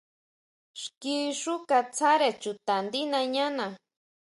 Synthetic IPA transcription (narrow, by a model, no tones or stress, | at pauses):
ʃkiʃʊkat͡sʰaɾet͡ʃut̪and̪inaɲana